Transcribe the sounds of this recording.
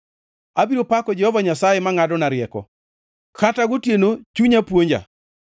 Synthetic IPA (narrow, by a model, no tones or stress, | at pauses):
abiɾopakɔd͡ʒɛhɔvaɲasajemaŋadɔnaɾɪɛkɔ̰ | kataɡʊtjenot͡ʃuɲapwoɲd͡ʒa̰